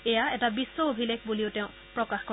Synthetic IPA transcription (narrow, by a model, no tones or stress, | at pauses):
ɛjaɛtabisːɔobʱilekbuliʊtɛ̃ʊ̃ | pɹɔkaxkɔ